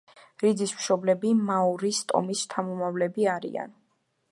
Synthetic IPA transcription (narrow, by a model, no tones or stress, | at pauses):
ɾid̪zismʃɔblɛbimauɾist̪ʼɔ̰mist̪ʰamɔmavlɛbiaɾḭa̰n